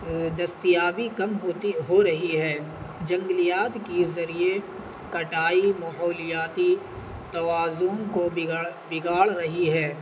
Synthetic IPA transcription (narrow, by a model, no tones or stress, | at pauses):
d̪ɐst̪ijaːʋikɐmɦot̪ɦoɾɐɦiɦɛːd͡ʒɐ̃ŋɡlijaːt̪kezɐɾie | kɐʈaːimɐɦɔːlɪjaːt̪i | t̪ɐwaːzõkobɪɡaːɭɾɐɦiɦɛː